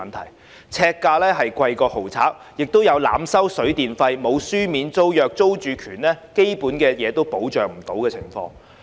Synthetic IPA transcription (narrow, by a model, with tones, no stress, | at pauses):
ɐ˨nt̪ʰɐ̰˨˩j | t͡sʰɛː˧kːaː˧lɛː˥ɦɐ˨jkʷɐ˧jkɔː˧ho˨˩wt͡sʰa̰ː˨˥k̚ | jɪ˨k̚t̪o˥wjɐ˨˧wla̰ː˨˧˥msɐ˥wsɵ˨˥ɥt̪iː˨nfɐ˧jmo˨˧wsyː˥miː˨˧nt͡so˥wjœː˨k̚t͡so˥wt͡ʃyː˨kʰyː˨˩nlɛː˥ke˥jpuː˨˥nkɛː˧jɛː˨˧t̪o˥wpo˨˥wt͡ʃœː˨ŋm̩˨˩t̪o˨˥wkɛː˧t͡sʰɪ˨˩ŋfɔ̰ː˧ŋ